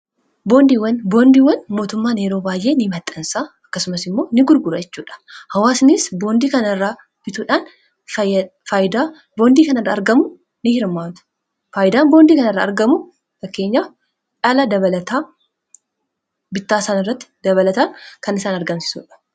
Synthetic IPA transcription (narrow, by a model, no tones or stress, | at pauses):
bo̞ːnd̪iːwɐnbo̞ːnd̪iːwɐnmo̞ːt̪ʊmːaːne̞ːɾo̞ːbaːjʔe̞ːnɪmɐt̪ʼːɐnsaːɐkːɐsʊmɐsɪmːo̞ːnɪɡʊɾɡʊɾɐd͡ʒɛt͡ʃːuːᶑɐ̥hɐwaːsnisbo̞ːnd̪iːkɐnɐɪrːaː | b̥ɪt̪uːᶑaːn | fajɪd̪aː | bo̞ːnd̪iːkɐnɐrːa̰ːɾɡɐmʊ | nɪhɪɾmːaːt̪ʊ̥ | faːjɪd̪aːmbond̪iːkɐnɐɪrːa̰ːɐɾɡɐmʊ | fɐkːe̞ːɲːaː | ᶑɐlɐd̪ɐβɐlɐt̪aː | bɪt̪ːaːsaːnɪrːɐt̪ːɪ̥d̪ɐβɐlɐt̪aːnkɐnɪsaːnɐɾɡɐmsɪ̥sṵːᶑɐ̥